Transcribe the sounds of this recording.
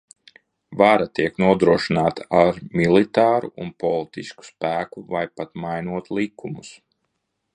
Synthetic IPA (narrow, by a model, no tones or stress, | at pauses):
vaɾat̪iɛknuɔd̪ɾuɔʃinaːt̪aaɾmilˠit̪aːɾuʔunpɔlˠit̪isku̥spæːkuvajpat̪majnuɔt̪lˠikʰːumus